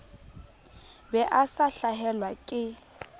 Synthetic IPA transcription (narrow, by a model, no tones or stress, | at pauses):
bɛʔasaɬaɦɛlwakʼɪ